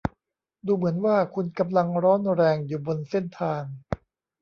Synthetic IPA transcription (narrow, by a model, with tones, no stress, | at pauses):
duː˧mɯ˩˦ənwaː˥˩kʰu˧nka˧mla˧ŋɾɔː˦˥nɾɛː˧ŋjuː˨˩bo˧nse˥˩nt̪ʰaː˧ŋ